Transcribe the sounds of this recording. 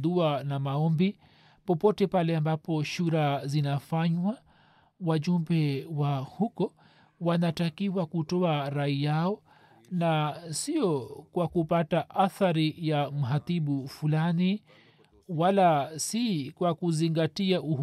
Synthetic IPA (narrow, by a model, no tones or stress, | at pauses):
ðuanamaɔmbi | pɔpɔtɛpalɛambapɔʃuɾazinafaɲwa | waʄumbɛwahukɔ | wanatakiwakutɔaɾaijaɔ | nasiɔkwakupataʔaθaɾijam̩ɦaθiɓufulani | walasikwakuziŋɡatiau